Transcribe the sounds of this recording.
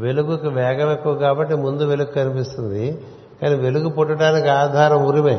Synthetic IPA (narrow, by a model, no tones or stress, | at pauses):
ʋe̞luɡukiʋɛːɡɐmekːuʋɐkaːbɐʈːimund̪uʋe̞luɡukɐnipist̪und̪i | kaːniːʋe̞luɡupɔʈːɐʈaːnikiaːd̪ʱaːɾɐmuɾimɐ